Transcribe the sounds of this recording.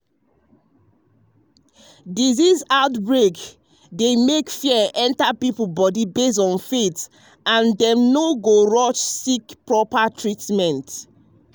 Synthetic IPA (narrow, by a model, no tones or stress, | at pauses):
dizizaʊtbɹek | demekfiɛʔɛ̃ntapiplbɔdibes̬tɔ̃nfet | ãndɛ̃mnoɡoɹɔt͡ʃsikpɹɔpatʰɹitmɛ̃nt